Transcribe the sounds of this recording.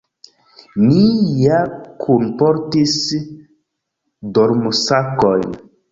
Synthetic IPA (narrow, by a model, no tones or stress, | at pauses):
nijakʰunpoɾtis | doɾmusakojn